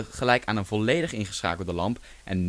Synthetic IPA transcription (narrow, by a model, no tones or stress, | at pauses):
χəlɛjkaːnənvɔlejdəχɪnχəsχa̰ːkəl̩ˠdəlɑmp | ʔɛ̰nː